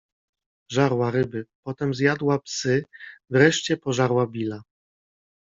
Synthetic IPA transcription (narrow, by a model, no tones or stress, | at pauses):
ʐaɾwaɾɘbɘpɔt̪ɛmzjad̪wapsɘvɾɛʂt͡ɕɛpɔʐaɾwabʲila